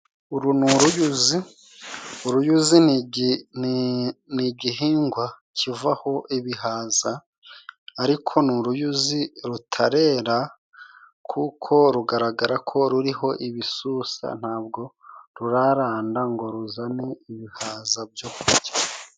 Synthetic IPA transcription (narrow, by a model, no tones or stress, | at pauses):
uɾunuɾujuzi | uɾujuzi | niɟiɦiːŋɡwa | cʰivaho̞ʔiβiɦaːzaː | ɾikʰo̞nuɾujuziɾutʰaɾe̞ːɾa | kʰukʰo̞ɾuɡaɾaɡaɾakʰo̞ɾuɾiɦo̞ʔiβisusa̰n̥haːb̚ɡo̞ɾuɾaɾaːndaŋɡo̞ɾuzaneiβihaːzab̚jokuiɟa